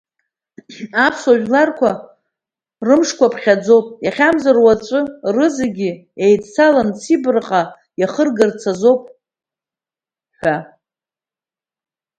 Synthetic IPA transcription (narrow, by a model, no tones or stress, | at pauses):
apʰswaʒᶣlarkʷʰa | rɨmʂkʷʰapʰχʲad͡zo̞wpʼjaχʲamzarwat͡ʃʷʼʊrɨzaɡʲɪejdt͡sʰalant͡sʰibrqʼa | jaχərɡɨrt͡sʰazo̞wpʼ | ħʷᶣa